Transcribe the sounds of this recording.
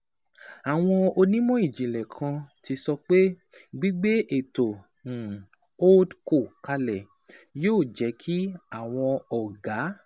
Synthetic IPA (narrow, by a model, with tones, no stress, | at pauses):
a˨w̃ɔ̃˧o˧nĩ˦mɔ̃˦i˦˨d͡ʒĩ˨lɛ˨kʰã˧tʰi˧sɔ˧k͡pe˦ | ɡ͡bi˦ɡ͡be˦ʔe˨tõ˨ | o˦dko˦˨ka˧lɛ˨ | joː˦˨d͡ʒɛ˨˦kʰi˦a˦˨w̃ɔ̃˧ɔ˨ɡa˨˦